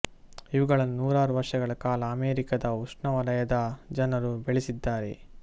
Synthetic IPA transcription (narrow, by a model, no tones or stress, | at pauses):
iʋuɡɐɭɐnːunuːɾaːɾuʋɐɾʂɐɡɐɭɐkaːlɐːmeːɾikɐd̪ɐuʂɳɐʋɐɾɐjɐd̪ɐd͡ʒɐnɐɾubeɭisid̪ːaːɾḛ